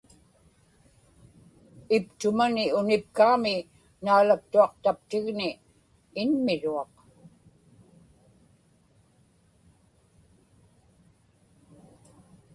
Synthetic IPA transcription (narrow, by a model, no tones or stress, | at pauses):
ɪpt̪ʊmanɪʊnɪp̚kamɪ | naːlak̚t̪uɑqt̪apt̪ɪɣnɪː | nmɪɻuɑq